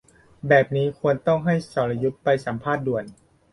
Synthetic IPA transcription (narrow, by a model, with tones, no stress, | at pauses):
bɛː˨˩p̚niː˦˥kʰu˧ənt̪ɔ˥˩ŋɦa˥˩jsɔː˩la˧ju˦˥t̪̚pa˧jsa˩˦mpʰaː˥˩t̪̚du˨˩ən